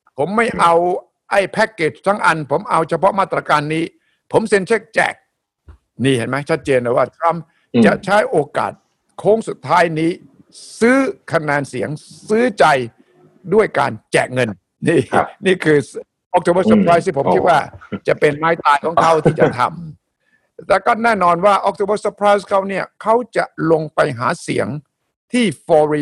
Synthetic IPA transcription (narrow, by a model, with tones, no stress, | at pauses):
pʰo˩˦mːa˥˩jʔa˧w | ʔa˥˩jpʰɛ˦˥kːe˨˩t͡ɕt̪ʰa˦˥˩ŋʔa˧npʰo˩˦mʔa˧wt͡ɕʰa˧pʰɔ˦˥maː˥˩t̪ːɾa˧kaː˧nːiː˦˥ | pʰo˩˦mse˧nt͡ɕʰe˦˥˩k̚t͡ɕɛ̰ː˨˩k̚ | niː˥˩he˨˦nma˦˥jt͡ɕʰt̪̚t͡ɕeː˧ndoː˨˩waː˥˩t̪ʰɾa˦˥m | t͡ɕa˨˩t͡ɕʰa˦˥jʔoː˧ka̰ː˨˩t̪̚ | kʰoː˦˥ŋsu˨˩t̪ʰːaː˦˥jniː˦˥ | sɯː˦˥kʰa˧nɛː˧nsi˨˩˦əŋsɯː˦˥t͡ɕa˧j | du˥˩əjka̰ː˧nt͡ɕɛ̰˨˩ŋɤ˧n | niː˥˩niː˥˩kʰɯː˧ | ʔɔ˦˥k̚t̪ʰo˧bəː˥˩sa˧˥pʰɾaː˦˥js̬iː˥˩pʰo˩˦mki˦˥t̪̚waː˥˩t͡ɕa˨˩pe˧nmaː˦˥jt̪aː˧jkʰɔː˩˦ŋkʰa˦˥˩wt̪ʰiː˥˩t͡ɕa˨˩t̪ʰa̰˧m | t̪ɛː˨˩kɔ˥˩nɛː˥˩nɔː˧nwaː˥˩ʔɔ˦˥k̚t̪ʰoː˧bə˥˩sa˧˥pʰɾaː˦˥jskʰa˦˥wni˥˩ɐkʰa˦˥wt͡ɕa˨˩lo˧ŋpa˧jɦa̰ː˩˦sḭ˩˦əŋ | t̪ʰiː˥˩fɔː˧ɾi˧